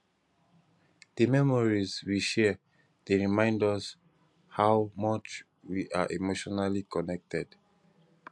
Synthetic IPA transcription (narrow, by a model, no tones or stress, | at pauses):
d̥əmɛmɔɹizwiʃɛ | d̥eɹimãɪ̃ndɔs | hawmɔt͡ʃ | wiʔa̰ʔemoʃɔnalikɔnɛk̚tɛd̥